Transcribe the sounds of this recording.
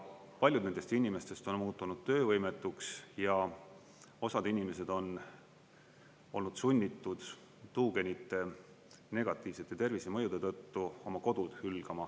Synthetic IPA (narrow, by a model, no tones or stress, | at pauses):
pɑlʲjud̪ne̞nd̪est̪inʲime̞st̪e̞st̪o̞nmuːt̪ˑːunud̪̥̚t̪ø̞ːvɤjme̞t̪ːˑuksjɑ | o̞sɑd̪inʲime̞s̬e̞d̪o̞n | o̞lnud̪sunʲːit̪ːˑud̪̥ | t̪uːɡe̞nit̪ˑːe̞ | ne̞ɡ̥ɑt̪ːˑiːvse̞t̪ːˑet̪e̞rvisemɤjud̪et̪ɤt̪ːuo̞mɑko̞d̪̥ud̪̥hylɡ̥ɑmɑ